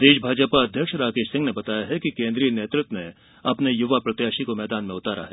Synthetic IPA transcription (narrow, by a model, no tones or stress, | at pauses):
d̪eːʃbʱaːd͡ʒəpaɐd̪ʱjəkʃɾaːkeːʃsɪ̃ŋɡnebɐt̪aːjaɦɛkikẽːnd̪ɾiːneːt̪ɾɪt̪ːwne | ɐpnejʊʋapɾɐt̪jaːʃikomɛːd̪aːnmẽʊt̪aːɾa̰ɦɛ